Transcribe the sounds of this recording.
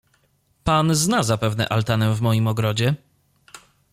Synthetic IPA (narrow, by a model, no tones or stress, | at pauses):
panznazapɛvnɛ̰ʔalt̪anɛvmɔjimɔɡɾɔd͡ʑɛ